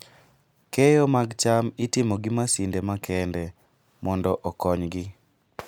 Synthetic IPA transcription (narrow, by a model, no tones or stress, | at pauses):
kɛjomaɡt͡ʃamɪtɪmoɡɪmasindemakʰɛndɛ | mɔndɔʔɔkɔɲɡɪ